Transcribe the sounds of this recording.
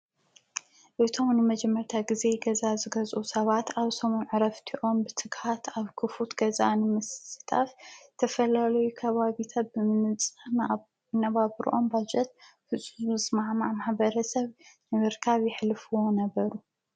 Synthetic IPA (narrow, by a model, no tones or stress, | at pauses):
ʔɨt̪ʰo̞mnɨmɐd͡ʒɛmːɐɾt̪ʰaɡize̞ɡɐzazɨɡɐzʼʔusɐβat̪ʰaβsomonʕɨɾɐft̪ʰiʔo̞mbɨt̪ʰɨɡħat̪ʰaβkʰɨfut̪ɡ̥ɐza̰nɨmɨsɨt̪ʰaft̪ʰɐfɐlalɐjukʰɐβaβit̪ʰat̪̚bɨmɨnɨt͡sʼɨ | nɐβaβɾ̰ʔo̞mbad͡ʒɛt̪̚fɨsʼuzmɨsmaʕmaʕmaħbɐɾɐsɐβnɨmɨɾkʰaβjɪħlɨfuwo̞nɐβɐɾu